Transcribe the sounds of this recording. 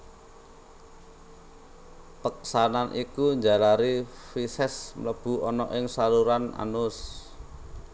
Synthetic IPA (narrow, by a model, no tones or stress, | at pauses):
pək̚sananʔikuɲd͡ʒa̤laɾifisɛsmləb̥ṳɔnɔʔɪŋsaluɾana̰nʊs